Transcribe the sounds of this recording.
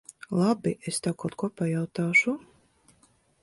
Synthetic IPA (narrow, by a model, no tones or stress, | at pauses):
lˠabiʔest̪awkawt̪̚kuɔpajawt̪aːʃu